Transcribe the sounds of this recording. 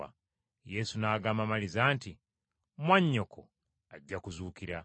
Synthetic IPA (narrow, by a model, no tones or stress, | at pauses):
jesunaːɡamamalizaːnti | mwaɲːokʰo | aɟːakuzuːkiɾa